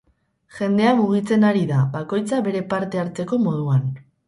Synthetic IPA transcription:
ʝe̞nd̪e̞amuɣ̞it͡se̞naɾiðaβako̞jt͡saβe̞ɾe̞paɾt̪e̞aɾt͡se̞ko̞mo̞ð̞uan

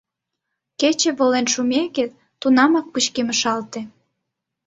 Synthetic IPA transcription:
ket͡ɕĕβolenʃumeke | t̪unɑmɑk̚put͡ɕkeməʃɑlt̪ĕ

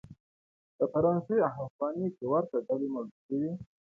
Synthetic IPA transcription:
d̪̥əfaɾɑnseaɦafɣɑnikewaɾt̪aɖalemaluʃəwi

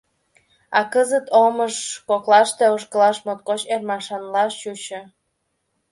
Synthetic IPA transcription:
ɑkəzət̪oməʃkoklɑʃt̪euʃ̬kəlɑʃmot̪̚kot͡ɕermɑʃɑnlɑʃt͡ɕut͡ɕə

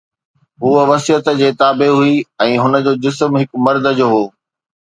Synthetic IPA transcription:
ɦuːəʋɐsiət̪d͡ʑeːt̪aːbeɦuiɛ̃ːɦʊnə̆d͡ʑoːd͡ʑɪs̬mɦɪkmɐɾd̪ʱəd͡ʑoːɦoː

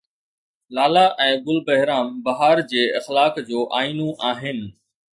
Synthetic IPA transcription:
laːlaʔɛ̃ːbʊlbɐɦɪɾaːmbɐɦaːɾd͡ʑeːɐxlaːkd͡ʑoːʔaːiːnõʔaːɦɪnɪ̆

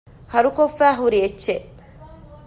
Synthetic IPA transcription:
hɐɾukofːæːɦuɾiet͡ʃːe

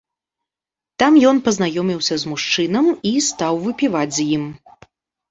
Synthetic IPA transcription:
t̪amjɔnpɐznajɔmʲiwsʲɐzmuʂt͡ʂɨnɐmist̪awvɨpʲivad͡zʲzjim

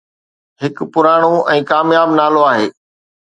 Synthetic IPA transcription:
ɦɪkpʊɾaːɽ̃oɛ̃ːkaːmjaːbnaːloaːɦeː

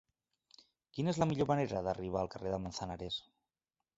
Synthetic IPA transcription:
kinəezləmiʎoməneɾəðəriβ̞aːlˠkəreðəmənsənaɾes

